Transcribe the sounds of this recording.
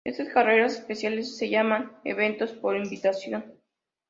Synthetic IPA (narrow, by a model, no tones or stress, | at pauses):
ḛst̪askareɾasespesjalesːe̞ʝamanḛβe̞nt̪o̞spo̞ɾimbit̪asjo̞n